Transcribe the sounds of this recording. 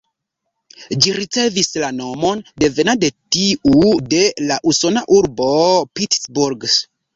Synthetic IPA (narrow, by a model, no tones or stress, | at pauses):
d͡ʒiɾit͡se̞vislano̞mo̞nde̞ve̞nade̞tiude̞laʔuso̞naʔuɾbo̞pitsbuɾɡs